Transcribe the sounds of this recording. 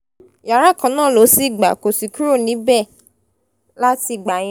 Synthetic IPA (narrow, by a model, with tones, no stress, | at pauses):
ja˨ɾa˦˨kã˨˧˦nãː˦˨lo˨˦si˦˨ɡ͡ba̰˨ko˨si˨ku˦ɾo˦˨nĩ˨˦bɛ˦˨ | la˦ti˧˨ɡ͡ba˨j̃